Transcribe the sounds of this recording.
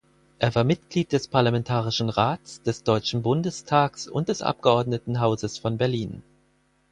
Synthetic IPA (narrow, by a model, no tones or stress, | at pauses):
ʔeːɐvaːɐmɪtɡ̥liːt̚d̥ɛspʰaɐlamɛntʰaːʁɪʃn̩ʁaːtt͡sd̥ɛsd̥ɔʏt͡ʃn̩bʊndəstʰaːksʊ̰nt̚d̥ɛsʔa̰p̚ɡ̥əɔɐdnətn̩ɦaʊzəsfɔnbɛɐliːn